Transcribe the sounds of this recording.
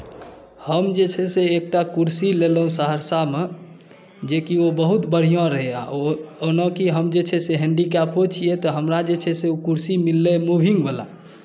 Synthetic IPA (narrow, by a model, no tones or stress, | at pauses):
həmd͡ʒet͡ʃʰɛseːk̚ʈakuɾsilelɦũsəɦəɾsame | d͡ʒekiobəɦut̪bəɽ̤ijãɾəɦea̰onə̃kiɦəmd͡ʒet͡ʃʰɛseɦɛ̃ɳɖikapot͡ʃʰijet̪ɔɦəmɾad͡ʒet͡ʃʰɛseukuɾsimilːemubʱiŋɡbela̰